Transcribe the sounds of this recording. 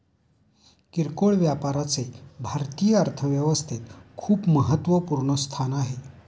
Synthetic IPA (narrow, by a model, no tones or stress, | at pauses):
kiɾkoɭʋjapaɾat͡sebʱaɾt̪iːjəəɾt̪ʰəʋjəʋəst̪ʰet̪kʰuːpməɦət̪ːʋəpuɾɳəst̪ʰanaɦe